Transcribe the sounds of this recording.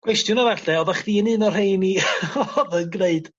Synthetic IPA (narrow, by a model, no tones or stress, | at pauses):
ɡ̥kʰwɛstjʊnɔvaɬɛɔðaχðiːənɨnɔrhejniɔɔðənɡneɨd̥